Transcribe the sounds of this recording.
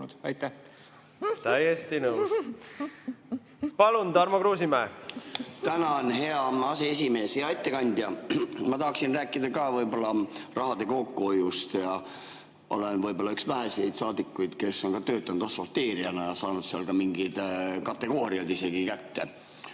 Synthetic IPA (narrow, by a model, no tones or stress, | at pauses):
ɑjt̪ːæ | t̪æjest̪inəws | pɑlund̪ɑɾmokɾuːsimæː | t̪ænɑonɦe̞ɑɑsees̬ʲime̞ːsjɑɑjt̪ːekɑnʲd̪jɑmɑt̪ɑhɑksinræːkːˑid̪ɑkɑːvɯjbo̞lːɑrʔɑɦɑd̪̥e̞ko̞kːuojust̪jɑ | ʔo̞̰le̞nvɯjbo̞lːɑyksvæɦese̞jd̪̥sɑːd̪ikːujd̪̥ke̞sːo̞nkɑt̪øːt̪ːˑɑnud̪ɑsfolt̪ːe̞ːɾiɑnɑjɑsɑːnud̪seɑlkɑmiŋɡid̪̥kɑt̪ːˑe̞ɡ̥o̞ːɾiɑd̪ise̞ɡ̥ikæt̪ːe̞